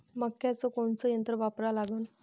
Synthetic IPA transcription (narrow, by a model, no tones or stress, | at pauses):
məkːjat͡sɔkoɳt͡sɔjənt̪ɾəʋapɾalaɡuːn